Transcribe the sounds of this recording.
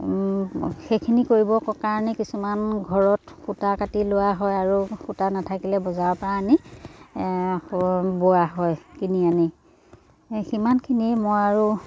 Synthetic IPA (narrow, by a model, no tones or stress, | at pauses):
xejkʰinikoɹibɔkɔkaɹɔnɛkisumanɡʱɔɹɔtxutakatilʊwaɦɔjaɹuxutanatʰakilɛbɔzawɔpɔɹaːni | boaɦɔjkiniani | ximankʰiniɛmojaɹu